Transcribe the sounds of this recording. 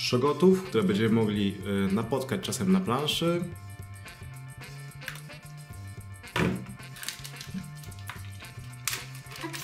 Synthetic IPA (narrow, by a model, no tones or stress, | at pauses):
ʂɔɡɔt̪ufkt̪uɾɛbɛɲd͡ʑɛmɘmɔɡlʲinapɔt̪kat͡ɕt͡ʂasɛmnaplanʂɘ